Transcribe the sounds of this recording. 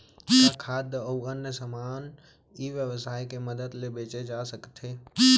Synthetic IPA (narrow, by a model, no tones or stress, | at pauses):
kʰaːd̪əʋɡaːnːjəsəmaːn | iʋjəwsaːikeməd̪əd̪lebeːt͡ʃed͡ʒasəkt̪ʰeː